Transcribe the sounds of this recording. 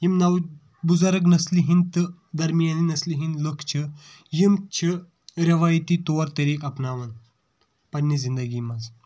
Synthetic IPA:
jimnɐw | buzaɾɐk̬nɐsliɦint̪ɨd̪ɐɾmijaninɐsliɦinləkʰt͡ʃʰi | jimt͡ʃʰi | ɾɐʋaːjt̪it̪oɐɾt̪ɐɾekɐpnaːʋɐn | pɐnːizind̪ɐɡiːmɐz

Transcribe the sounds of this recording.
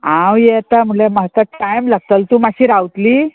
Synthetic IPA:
ãwjɛt̪am̤ulemaɦt̪əʈajmlaɡ̚t̪əlt̪umaɕiːɾawt̪liː

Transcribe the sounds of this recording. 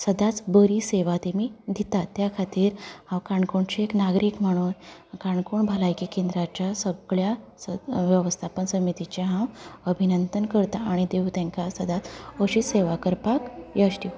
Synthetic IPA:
səd̪at͡sbəɾiseʋat̪emiːd̪ʱit̪at̪ːjakʰat̪iːɾhãwkaɳkuɳt͡ɕieknaɡɾiːkm̤əɽ̃uːnkaɳkuɳbʱalajkikẽnd̪ɾat͡ɕjasəɡɭjasəʋjəʋəst̪ʰapənsəmit̪it͡ɕaɦãwəbʱinənt̪ənkəɾt̪aaɽ̃id̪eʋt̪ẽŋkasəd̪ʱat͡səɕiːseʋakəɾpakjəɕʈ̪i

